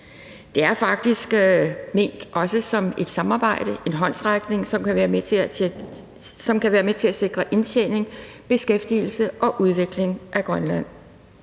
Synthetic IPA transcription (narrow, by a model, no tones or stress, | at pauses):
d̥e̝æɐfɑ̈ɡ̥̚d̥isɡ̥me̝̰ːnd̥ʔɒ̽səsɒ̽me̝d̥sɑ̈mɑ̈ːb̥ɑ̈ɪ̰d̥əʔe̝nɦɒ̽n̰sʁaɡ̥ne̝ŋsɒ̽mkʰæʋæːɐmet͡sʰe̝ | sɒ̽mkʰæʋæːɐmet͡sʰe̝læse̝ɡ̥ʁɐʔe̝nɕʰḛne̝ŋ | b̥e̝sɡ̥efd̥ḭːl̩səʔɒ̽ʔuð̞ˠʋe̝ɡ̥le̝ŋʔæɡ̥ʁɶnlæn̰